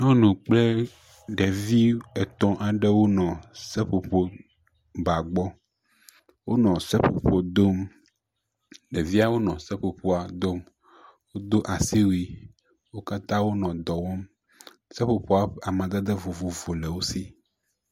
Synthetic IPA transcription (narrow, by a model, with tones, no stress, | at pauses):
nɔ̃˦nũ˨k͡ple˦ | ɖe˨vi˦ɛ˨t̪ɔ̃˦ʔa˨ɖɛ˦wo˦nɔ̃˨se˦ɸo˨po˦ | ba˨ɡ͡bɔ˦ | wo˦nɔ̃˨sɛ˦po˨po˨d̪o˦m | ɖe˨vi˦a˦wo˦nɔ̃˨se˦ɸo˨po˦a˨d̪o˦m | wo˦d̪o˦ʔa˨si˦wi˨ | wo˦ka˦t̪ã˦wo˦nɔ̃˨d̪ɔ˨wɔ˦m | se˦po˨po˦a˨˦a˨mã˨d̪a˦d̪e˦vo˨vo˨vo˨le˨wo˦si˦